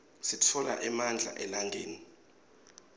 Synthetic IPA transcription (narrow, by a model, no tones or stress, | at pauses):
sitʰɔla̰ʔɛmand͡ɮʱa̰ʔɛlaŋʱeːni